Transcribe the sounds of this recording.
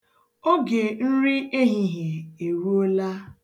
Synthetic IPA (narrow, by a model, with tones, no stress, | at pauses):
o˦ɡe˨n̩˦ɾi˦e˦ɦi˦ɦe˨e˨ɾu˦o˦la˦